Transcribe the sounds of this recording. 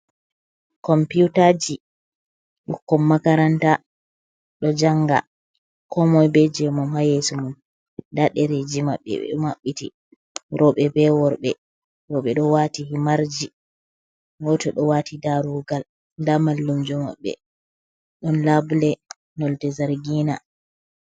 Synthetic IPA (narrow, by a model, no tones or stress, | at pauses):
kɔmpiutad͡ʒi | ɗukːɔmːakaɾanta | ɗɔd͡ʒaŋɡa̰ | kɔmɔjbɛd͡ʒɛmamhajesumun | daɗɛɾed͡ʒimaɓːɛ̰ɛ̰maɓːitḭ | ɾɔɓɛbɛwɔɾɓɛ̰ | ɾɔɓɛɗɔwatihimaɾd͡ʒi | wɔtɛɗɔwatʰidaɾuɡal | ndamalːumd͡ʒɔma̰ɓːɛ̰ | ɗɔnlablɛ | nɔltɛzaɾɡina̰